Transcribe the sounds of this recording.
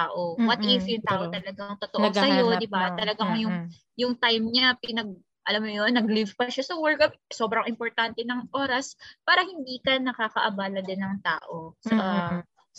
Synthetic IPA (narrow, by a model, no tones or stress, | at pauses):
t̪aːʔowɐt̪ɪfjʊŋt̪aːʔot̪ɐlɐɡaŋt̪ot̪oʔosɐjo̞d̪ɪbat̪ɐlɐɡaŋjʊŋ | jʊŋt̪ajmɲapɪnɐɡ̚ | ʔɐlamːojonːɐɡlivpɐʃasɐwɛɹkɐp̚so̞bɾɐŋɪmpoɾt̪ant̪ɛnɐŋʔo̞ːɾɐspaːɾɐhɪnd̪iːkɐnɐkaːkɐʔɐbaːlɐd̪ɪnːɐŋt̪a̰ːʔosɐ